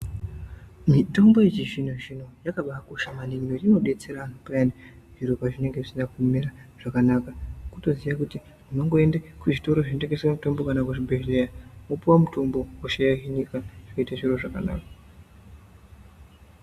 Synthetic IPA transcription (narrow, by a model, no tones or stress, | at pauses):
mito̞mbo̞jet͡ʃiʐinoʐino̞jakaɓakoʃamaniŋinorino̞ɗe̞t͡se̞ɾanuprani | ʐiɾo̞paʐine̞ŋɡe̞ʐisinakumeraʐ̥akanakakuto̞ziʋakuti | muno̞ŋɡo̞endekuʐito̞ɾo̞ʐinoteŋɡesewamuto̞mbo̞kanakuʐibʱeɦleamopuwamutʰo̞mbo̞woʃejaɦiɲikaʐ̥ikoitaʐiɾo̞ʐakana̰ːka